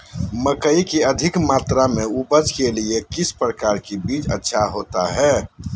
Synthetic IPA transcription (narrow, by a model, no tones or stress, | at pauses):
məkəikeəd̪ʱɪkmaːt̪ɾameubəd͡ʒkeliekɪspɾəkaːɾkebiːt͡ʃə̰tːʃʰaɦoːt̪a̰ɦɛː